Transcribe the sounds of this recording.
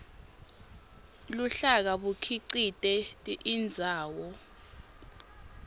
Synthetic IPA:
luɬak̬aɓukʰiǀitʼɛtʼiʔind͡zʱaːwɔ

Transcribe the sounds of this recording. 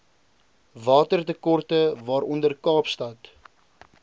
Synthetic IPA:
vɑːtərtəkɔrtəvɑːɾʔɔndərkɑːpstɐt

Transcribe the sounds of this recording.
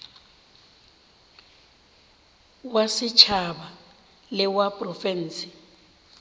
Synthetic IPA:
wasɪt͡ʃʰaɓa | lɪwapʼrɔfɛn̩ːsi

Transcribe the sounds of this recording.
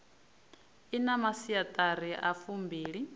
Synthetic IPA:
inamasiat̪ʼaɾiʔafumbiːɺi

